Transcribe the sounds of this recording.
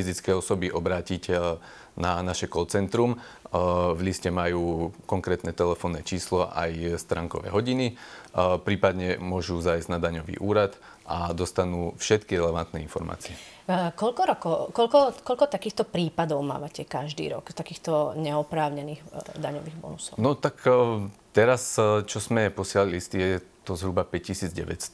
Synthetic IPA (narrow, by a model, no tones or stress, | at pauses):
fizit͡skɛjɔsɔbiʔɔbɾaːciɟ | nanaʃɛkɔt͡sɛnt̪ɾum | vʎiscɛmajuːkɔŋkɾɛːt̪nɛt̪ɛlɛfɔːnːɛt͡ʃiːslɔʔa̰jst̪ɾaːŋkɔ̰ʋɛ̰ɦɔɟini | pɾiːpad̪ɲɛmʊɔʒuzajzɟnad̪aɲɔʋḭːʔuːɾat̪ | ʔad̪ɔst̪anuːfʃɛt̪kiɾɛlɛʋant̪nɛinfɔɾma̰ːt͡siɛ | kɔʎkɔɾɔkɔkɔʎkɔkɔʎkɔt̪akiːxt̪ɔpɾiːpad̪ɔʊma̰ːʋacɛkaʒd̪ḭːɾɔ̰kt̪akiːxt̪ɔɲɛɔpɾaːʊɲɛniːɣd̪aɲɔʋiːɣbɔ̰nusɔʊnɔt̪akt̪ɛɾast͡ʃɔzmɛpɔsɪlalilist̪ijɛɛt̪ɔzɦɾubapɛc̚cisiːd͡zɟɛʋɛ̰cst̪